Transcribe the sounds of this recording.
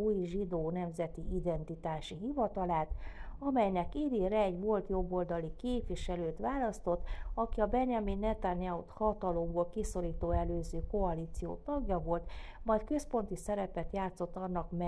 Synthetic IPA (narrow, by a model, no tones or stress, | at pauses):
uːjʒid̪oːnɛmzɛt̪iid̪ɛnt̪it̪aːʃiɦivɒt̪ɒlaːt̪ɒmɛjnɛkid̪iːɾɛɛɟʋo̞lt̪jo̞bːo̞ld̪ɒlikeːpʋiʃɛløːt̪ʋaːlɒst̪o̞t̪ːɒkiɒbɛnjɒminːɛt̪anjɛut̪hɒt̪ɒlo̞mbolkiso̞ɾiːt̪oːɛløːzøːko̞ɒliːt̪sijo̰ːt̪ɒɡjɒvo̞lt̪mɒjt̪̚kø̞spo̞nt̪isɛɾɛpɛt̪jaːt̪so̞t̪ːɒnːɒkm